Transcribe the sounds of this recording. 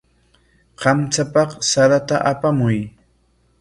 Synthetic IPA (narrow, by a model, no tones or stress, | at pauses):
qɑmt͡sapɑχsaɾat̪aʔapamʊj